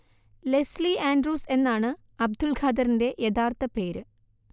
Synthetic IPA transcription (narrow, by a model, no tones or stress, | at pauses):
le̞sliaːndruːse̞nːaːɳɨ | ɐb̚d̪ulɡʰʱaːd̪ɐɾinde̞jɐt̪ʰaːrt̪ɐpe̞ːɾɨ